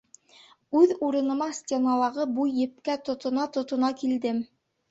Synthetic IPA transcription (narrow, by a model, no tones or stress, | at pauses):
ʉðuɾɤ̆nɤ̆mɑsʲtʲenɑlˠɑʁɤbujːɘ̆p̚kæt̪ŏt̪ŏnɑt̪ŏt̪ŏnɑkild̪ɘm